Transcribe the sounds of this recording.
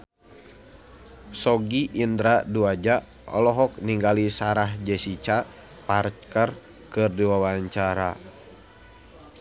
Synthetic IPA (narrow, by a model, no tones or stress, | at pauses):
sɔɡiʔːndɾaduad͡ʒa | ɔ̰lɔɦɔk̚niŋɡalisaɾaɦd͡ʒɛsit͡ʃa | part͡ʃkər | kɨrdiwawaɲt͡ʃaɾa̰